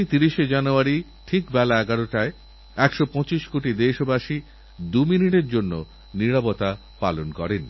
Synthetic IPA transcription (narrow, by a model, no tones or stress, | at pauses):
t̪iɾiʃed͡ʑanoaɾi | ʈʰikbɛlaɛɡaɾoʈae | ɛkʃopɔ̃t͡ɕiʃkoʈid̪eʃobaʃi | d̪uminiʈeɾd͡ʑonːo̰ | niɾapot̪a | pa̰lonkɔ̰ɾen